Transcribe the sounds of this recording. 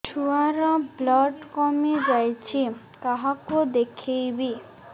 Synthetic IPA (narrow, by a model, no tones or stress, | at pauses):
ʈʰuaɾablɔɖkɔmed͡ʑajt͡ɕʰi | kaɦakod̪ekʰejbi